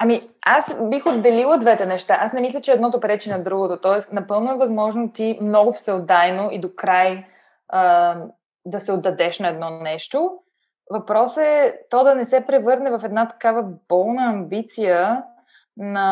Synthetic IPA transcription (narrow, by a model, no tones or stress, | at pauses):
ɐmiasbixod̪ːɛlilˠəd̪vɛt̪ɛnɛʃt̪aʔasnɛmislʲət͡ʃɛːd̪nɔt̪opɾɛt͡ʃinɐd̪ɾuɡot̪ot̪ɔɛsnɐpɤlˠnʊɛvɐzmɔʒnot̪imnɔɡʊfsɛlˠd̪ajnoʔid̪okɾaj | ə | d̪ɐsɛod̪ːɐd̪ɛʃnɐɛd̪nɔnɛʃt̪o | vɐpɾɔsɛt̪ɔd̪ɐnɛsɛpɾɛvɤɾnɛvɐfɛd̪nat̪ɐ̥kavəb̥ɔlˠnəɐmbit̪sijə | nɐ